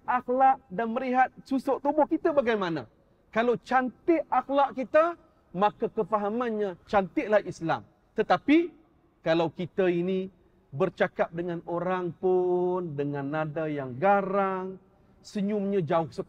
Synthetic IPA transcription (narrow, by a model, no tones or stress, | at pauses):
axlaʔdanməliɦat̪̚susɔʔt̪ubʊhkit̪abaɡajmana̰ | kalawt͡ʃant̪ɪaxlaʔkit̪ə | mãkakəfaɦamãnɲãt͡ʃant̪ɪʔlahisla̰m | t̪ət̪api | kalawkit̪ainĩ | bərt͡ʃakap̚dəŋãnoɾaŋpʊndəŋanːadajaŋɡaɾaŋ | səɲʊmɲãd͡ʒaʊhsə